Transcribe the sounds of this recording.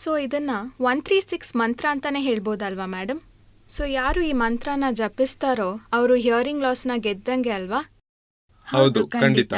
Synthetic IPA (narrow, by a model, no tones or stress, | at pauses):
soːid̪ɐnːɐʋɐnt̪ʰɾiːsiksmɐnt̪ɾaːnt̪ɐne̞ːɦe̞ːɭboːd̪ɐlʋaːmæːɖɐm | soːjaːɾuːiːmɐnt̪ɾanːɐd͡ʒɐpːist̪aːɾoːɐʋɐɾuɦijɐːɾiŋɡlaːsnɐɡɛd̪̚d̪ɐŋɡe̞ɐlʋaː | hhɐwd̪ukkɐɳɖit̪a